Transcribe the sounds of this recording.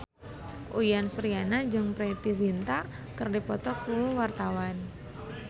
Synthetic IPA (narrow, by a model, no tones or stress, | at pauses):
ʔujansuɾianad͡ʒɨŋpɾet̪izint̪a | kɨrdipɔt̪ɔkuwart̪awan